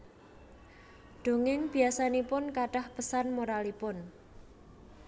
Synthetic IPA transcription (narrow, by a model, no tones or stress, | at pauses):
ɖ̪̥o̤ŋɪŋb̥i̤asanipʊnkaɖahpəsanmoɾalipʊn